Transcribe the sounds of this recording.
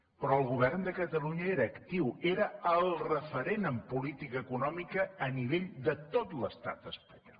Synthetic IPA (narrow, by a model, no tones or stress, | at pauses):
pɾɔəlˠɣuβ̞ɛrnd̪əkət̪əluɲəeɾəːkt̪iweɾəəlˠrəfəɾenəmpulit̪ikəːkunɔmikəːniβeʎd̪ət̪ot̪ləst̪a̰t̪əspəɲɔ̰l